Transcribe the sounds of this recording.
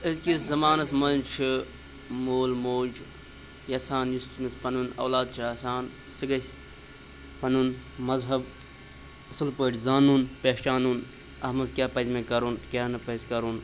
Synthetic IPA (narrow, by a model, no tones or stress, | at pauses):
ɐzkiszɐmaːnɐsmɐnnt͡ʃʰɨ | moːlmoːd͡ʒ | jɐsaːnjustmɐspɐnunɐ̰ːlaːd̪̚t͡ʃʰaːsaːn | sɨɡɐsʲ | pɐnun | mɐzɦɐb | ɐsɨlpɐːʈzaːnuːnpeːʃaːnun | ɐ̰hmɐzkʲjaːpɐzmẽkɐɾunkʲaːnɐpɐzkɐɾun